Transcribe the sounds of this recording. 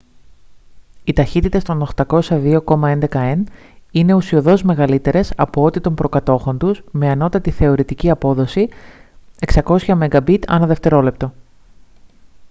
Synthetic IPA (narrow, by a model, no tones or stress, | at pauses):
it̪ɐçit̪it̪est̪o̞no̞xt̪ɐko̞sɐðio̞ko̞mɐe̞nd̪e̞kɐen | ine̞usio̞ðo̞zme̞ɣɐlit̪e̞ɾe̞sɐpo̞o̞t̪it̪o̞mbɾo̞kɐt̪o̞xo̞nt̪uzme̞ɐno̞t̪ɐt̪iθe̞o̞ɾit̪iciɐpo̞ðo̞si | e̞ksɐko̞sçɐme̞ŋɡɐbit̪ɐ̰nɐðe̞ft̪e̞ɾo̞le̞p̚t̪o̞